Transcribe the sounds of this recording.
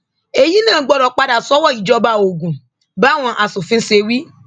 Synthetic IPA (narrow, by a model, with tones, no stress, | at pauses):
e˧ji˦nãː˦˨˦ɡ͡bɔ˦ɾɔ˨k͡pa˦da˨sɔ˦wɔ˦˨i˨d͡ʒɔ˦ba˦˨o˨ɡũ˨ | ba˦w̃ɔ̃˧ʔa˨su˨fĩ˧˦se˧wi˦